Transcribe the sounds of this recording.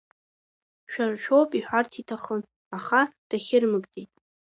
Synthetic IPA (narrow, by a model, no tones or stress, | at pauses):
ʃᶣarʃᶣowpʼiħʷᶣartʰitʰaχən | aχad̥aχʲɪrmɨkʼtʼitʼ